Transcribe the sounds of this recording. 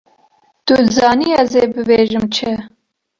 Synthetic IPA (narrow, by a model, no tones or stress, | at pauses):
t̪uzɑːniɛzeːbɨbeːʒɨmt͡ʃʰɪ